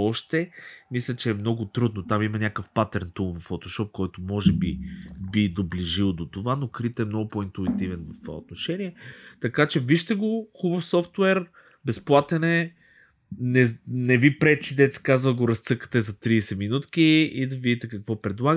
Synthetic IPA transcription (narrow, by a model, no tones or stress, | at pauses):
ɔʃt̪ɛmislʲət͡ʃɛːmn̪ɔɡʊt̪ɾud̪not̪amimɐnʲakəfpat̪ɛɾnt̪umvɐfot̪oʃɔp̚kɔjt̪omɔʒɛbibid̪obliʒilˠd̪ot̪ovanokɾit̪ɛmnɔɡʊpɔint̪uit̪ivɛnvɐft̪va̰ot̪noʃɛniɛt̪ɐkat͡ʃɛviʃt̪ɛɡoxubəfsɔft̪wɛɾ | bɛsplˠat̪ɛnɛ | nɛnɛvipɾɛt͡ʃid̪ɛt̪si̥kazvəɡoɾɐst̪sɤkə̥t̪ɛzɐt̪ɾisɛminut̪kiid̪ɐvid̪ʲit̪ɛkɐkvɔpɾɛd̪lˠaɡ